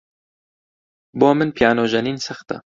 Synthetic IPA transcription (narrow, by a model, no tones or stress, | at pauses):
boːmɨnpʰijaːnoːʒɐniːnsɐxt̪ɐ̰